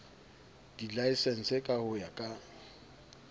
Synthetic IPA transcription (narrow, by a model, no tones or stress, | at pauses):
d̥ilaisɛn̩sekʼahʊjakʼa